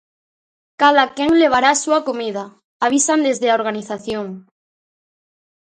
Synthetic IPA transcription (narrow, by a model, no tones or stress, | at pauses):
kaðakeŋleβ̞aɾasuakomið̞a | aβ̞isand̪ezðeaoɾɣ̞aniθaθjoŋ